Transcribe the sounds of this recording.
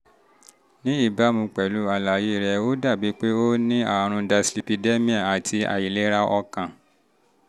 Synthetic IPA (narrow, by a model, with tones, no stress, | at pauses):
nĩ˨˦i˦˨ba˨˦mũ˧k͡pɛ˨lu˦a˧la˨je˦˨ɾɛ˧o˦da˦˨bi˨˦k͡pe˦o˦nĩ˦a˦˨ɾ̃ũ˧da˧sli˨pi˧de˦mĩ˦a˦˨a˨tʰi˧a̰˨ji˨le˦ɾa˦ʔɔ˧kã˨